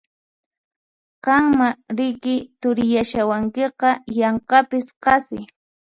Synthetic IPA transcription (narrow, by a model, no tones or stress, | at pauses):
qɑŋmaɾɪkɪt̪ʊɾɪjaʃawaŋkeqɑjɑɴqɑpɪsqɑsɪ